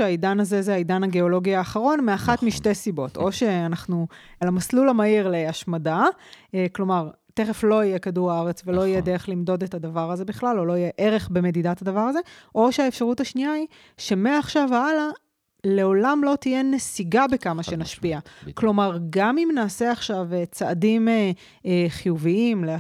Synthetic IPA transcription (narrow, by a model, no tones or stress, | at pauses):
ʃeaidanazezeaidanaɡe̞o̞lo̞ɡiaːχaʁo̞nmeaχatmiʃte̞jsibo̞to̞ʃe̞anaχnualamaslulamaiʁleaʃmada | klo̞maʁ | te̞χeflo̞ijekaduʁaaʁet͡svelo̞ijed̪eʁeχlimd̪o̞de̞tadavaʁaze̞biχlalo̞lo̞ijeʔeʁe̞χbeme̞didatadavaʁaze̞ʔo̞ʃeaefʃaʁutaʃniai | ʃe̞meːχʃavaala | le̞o̞lamlo̞t̪ijenesiɡabekamaʃenaʃpiaklo̞maʁɡamimnaːse̞aχʃavet͡saːdime | χijuviimlea